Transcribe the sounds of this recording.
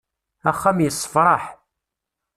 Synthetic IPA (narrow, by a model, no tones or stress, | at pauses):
æχːæmjəsˤːə̥fɾˤɑħ